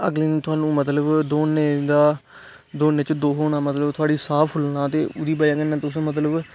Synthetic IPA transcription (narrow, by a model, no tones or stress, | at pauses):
əɡleːt̪ʊaːnũːmət̪ləbd̪oːneːd̪aː | d̪oːneːt͡ʃd̪oːɦoːɽaːmət̪ləbt̪ʰʊaːɽiːsaːpʰɦʊlnãːt̪eːʊd̪iːbaːjãːkənãt̪ʊsmət̪̬ləb